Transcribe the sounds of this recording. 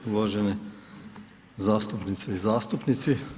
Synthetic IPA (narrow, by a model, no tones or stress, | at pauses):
uʋoːʒɛnɛ | zaːst̪upnit̪sɛizaːst̪upnit̪si